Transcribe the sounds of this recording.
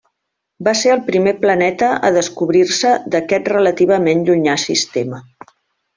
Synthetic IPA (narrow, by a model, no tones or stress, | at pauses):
baseəlˠpɾimeplənɛt̪əʔə̰ðəskuβɾirsəd̪əkɛt̪rələt̪iβ̞əmenʎuɲasḭst̪emə